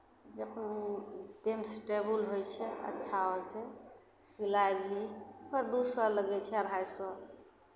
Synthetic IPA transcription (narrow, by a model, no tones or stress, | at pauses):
d͡ʒəp | d̪emsʈebulɦojt͡ʃʰɛə̰tːʃʰaɦojt͡ʃʰɛ | silajbʱiokəɾd̪usələɡɛt͡ʃʰɛəɾɦajsə